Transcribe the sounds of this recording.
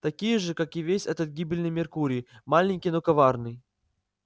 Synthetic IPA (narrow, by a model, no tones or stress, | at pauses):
t̪ɐkʲijəʐɨkakɪvʲesʲɛt̪ət̪̚ɡʲibʲɪlʲnɨjmʲɪrkuɾʲɪjmalʲɪnʲkʲijnokɐvarnɨj